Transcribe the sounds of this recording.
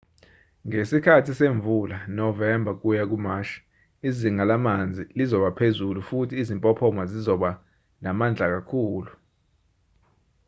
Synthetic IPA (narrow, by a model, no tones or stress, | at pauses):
ŋesikʰatʰiseɱvulanɔvɛmbʱak̬ujak̬umaʃi̥ | iziŋalamand͡zʱilizɔɓapʰezulufutʰiːzimpʼɔpʰɔmazizɔɓa | namand͡ɮʱak̬akʰuːlu